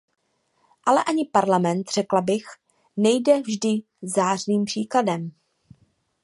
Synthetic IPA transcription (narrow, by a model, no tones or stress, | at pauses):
ʔalɛʔaɲɪpaɾlamɛnt̪r̝ɛklabɪx | nɛjdɛvʒdɪ | zaːr̝niːmpr̥iːkladɛm